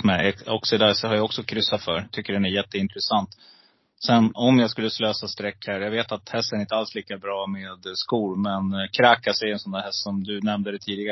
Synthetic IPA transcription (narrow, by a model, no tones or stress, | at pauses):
mɛɛɔksɪd̪ashaɾjaɔksɔkʰɾʏsːat̪fœɾt̪ʰʏkːəɖɛnæɾjɛt̪ːəɪnt̪ɾɛsant̪ | sɛnːɔmjaːɡskɵlːəsløːsast̪ɾɛkːhæɾjaɡveːt̪at̪hɛst̪ənɾɪnt̪əalsliːkabɾɑːmeːd̪skuːɾmɛnkʰɾaːkasɛjɛnsɔnd̪æːhɛst̪sɔmd̪ɵnɛmnd̪əd̪ɛt̪ʰiːd̪ɪɡa